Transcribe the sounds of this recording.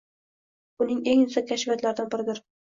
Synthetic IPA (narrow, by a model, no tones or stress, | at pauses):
ʊnɪŋeŋnɪsakʲʰaʃvat̪laɾɪd̪anbɪɾɪd̪ɪɾ